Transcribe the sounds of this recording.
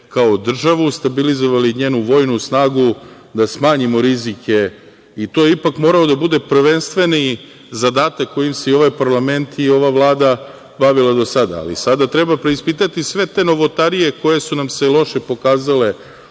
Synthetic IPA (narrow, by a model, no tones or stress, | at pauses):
kaod̪r̩ʒaʋust̪abilizo̞ʋaliɲeːnuʋo̞jnusnaːɡu | d̪asmaːɲimo̞ɾizike̞ | it̪o̞jeipakmo̞ɾaod̪abud̪e̞pr̩ʋe̞nst̪ʋe̞ni | zad̪aːt̪akːo̞jimseio̞ʋajpaɾlˠame̞nt̪io̞ʋaʋlˠaːd̪a | baʋilˠad̪o̞sad̪a̰ːlḭsad̪at̪ɾe̞bapɾeispiːt̪at̪isʋe̞t̪e̞no̞ʋo̞t̪aɾije̞ko̞je̞sunamselˠo̞ʃepo̞kaːzale̞